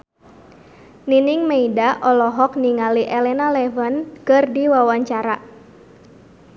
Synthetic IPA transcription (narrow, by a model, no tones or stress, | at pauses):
ninɪŋmeidaʔɔlɔɦɔk̚niŋaliʔɛlɛnalɛvənkɨrdiwawaɲt͡ʃaɾa